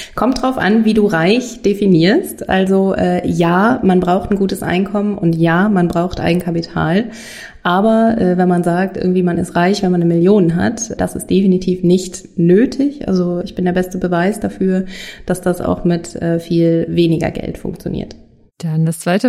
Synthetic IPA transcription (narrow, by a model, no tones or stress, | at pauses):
kʰɔmtd̥ʁaʊfʔa̰nviːduːʁaɪçd̥efiniːɐstʔa̰lzoʔɛːjaːmanbʁaʊxtn̩ɡuːtəsʔa̰ɪnkʰɔmənʊntjaːmanbʁaʊxtʔa̰ɪɡŋ̩kʰapitʰa̰ːl | ʔaːbɐʔɛːvɛnmanzaːk̚tʔɪ̰ɐɡŋ̩tv̥iːmanɪ̰stʁaɪçv̥ɛnmanːəmɪljoːnənɦa̰td̥a̰sɪ̰std̥efinitʰiːfnɪçt | nøːtʰɪçʔa̰lzoɪçb̥ɪndeɐbɛstəbəvaɪsd̥afyːɐd̥asd̥asa̰ʊxmɪtʔɛːfiːlveːnɪɡɐ̰ɡɛ̰ltfʊ̰ŋk̚t͡sjo̰nḭːɐt | d̥andast͡sv̥aɪtə